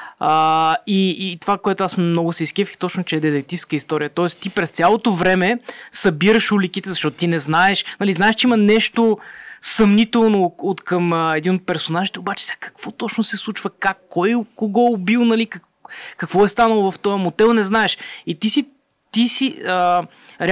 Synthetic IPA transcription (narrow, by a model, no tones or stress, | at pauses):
əiːt̪ovakoɛt̪ʊasmnɔɡʊsɛiskɛfiki̥t̪ot͡ʃnot͡ʃɛɛd̪ɛt̪ɛk̚t̪ifskəist̪ɔɾijət̪ɔɛst̪ipɾɛst̪sʲalˠot̪ovɾɛmɛsɐbiɾəʃulikit̪ɛzɐʃt̪ɔt̪ʊt̪inɛznaɛʃnɐliznaɛʃt͡ʃɛimɐnɛʃt̪osɐmnit̪ɛlˠnoot̪kəməɛd̪inot̪̚pɛɾsonaʒit̪ɛobat͡ʃɛ̥sʲakɐ̥kv̥ot̪ɔt͡ʃnʊsɛslˠut͡ʃvəkakːɔjkuɡolˠbilˠnɐlikɐk | kɐkvɔɛst̪anəlˠovɐft̪ɔjəmod̪ɛlˠnɛznaɛʃit̪isi | t̪isiə | ɾɛ